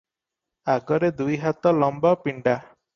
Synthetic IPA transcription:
aɡɔɾed̪ujɦat̪ɔlɔmbɔpiɳɖa

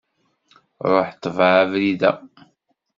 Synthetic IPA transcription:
ɾˤoħt̪ːəvʕavɾiðæ

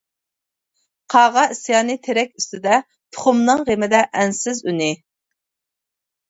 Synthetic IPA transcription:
qʰɑʁɑisjɑːnɨt̪ʰeɾɛk̚ʲyst̪ɪd̪ɛ | t̪ʰʊ̥χʊmnɨŋʁemɪd̪ɛʔːnsɪzynɪ

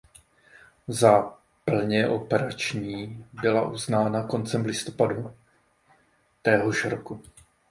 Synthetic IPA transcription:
za | pl̩ɲɛʔo̞pɛɾat͡ʃɲiːbɪla̰ʔuznaːnako̞nt͡sɛmlɪst̪o̞̥padu | t̪ɛːɦoʃɾoku

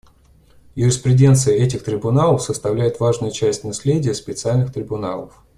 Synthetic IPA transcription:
jʊɾʲɪspɾʲɪdʲe̞nt̪sɨjəɛtʲɪxt̪ɾʲɪbʊnalˠəfsəst̪ɐvlʲæjɪt̪vaʐnʊjʊt͡ɕæsʲtʲnɐsʲlʲedʲɪjəspʲɪt̪sɨalʲnɨxt̪ɾʲɪbʊna̰lˠəf

